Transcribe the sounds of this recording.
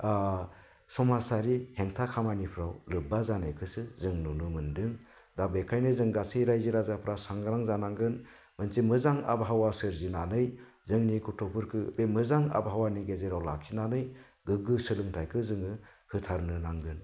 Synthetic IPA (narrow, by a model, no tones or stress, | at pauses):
a | sɔmasaɾiheŋtʰakʰamanipʰɾawlɯbazanɯjkʰɯsɯzɯŋnunɯmɯndɯŋ | dabekʰajnɯzɯŋɡasɯjɾajziɾazapʰɾasaŋɡɯɾaŋzanaŋɡɯn | mɯnsimɯzaŋa̰bɦawasɯɾzinanɯj | zɯŋnikʰutʰɔpʰɯɾkʰɯbemɯzaŋa̰bɦawaniɡezeɾawla̰ksinanɯj | ɡɯɡɯsɯlɯŋtʰajkʰɯzɯŋɯ | hɯtʰaɾnɯnaŋɡɯn